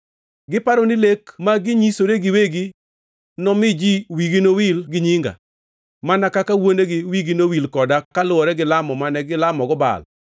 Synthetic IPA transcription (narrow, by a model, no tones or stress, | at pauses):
ɡɪpaɾonɪlekmaɡɪɲisoɾeɡɪweɡi | nɔmɪd͡ʒiwiɡinowilɡɪɲiŋɡa̰ | manakakawoneɡɪwiɡinowilkɔdakalʊɔɾɛɡɪlamɔmanɛɡɪlamɔɡɔba̰l